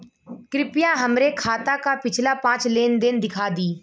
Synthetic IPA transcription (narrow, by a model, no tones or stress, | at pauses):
kɾɪpijãɦəmɾekʰaːt̪akapɪt͡ʃʰlapãːt͡ʃleːnd̪ɪnd̪ɪkʰaːd̪iː